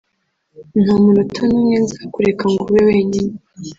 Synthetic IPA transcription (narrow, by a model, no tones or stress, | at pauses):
nhamuɾutʰanumɲenzakuɾekaŋɡuβewe̞ːɲine